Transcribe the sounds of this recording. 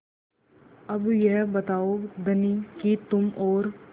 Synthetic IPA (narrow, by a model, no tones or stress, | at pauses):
ɐbjeɦbɐt̪aːod̪ɐnikit̪ʊmɔːɾ